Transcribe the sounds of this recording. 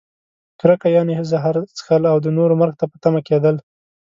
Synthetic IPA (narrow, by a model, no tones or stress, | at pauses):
t̪ʊɾakajɑneɦəzaɦaɾt͡sə̥xəlawd̪ənoɾomaɾɡt̪apət̪amaked̪əl